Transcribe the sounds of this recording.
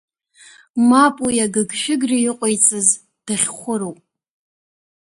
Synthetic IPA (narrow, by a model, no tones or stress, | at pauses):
mapʼujaɡɨɡʃᶣɪɡrijɪqʷʼojt͡sʼɨz | d̥aχʲχʷʊɾowpʼ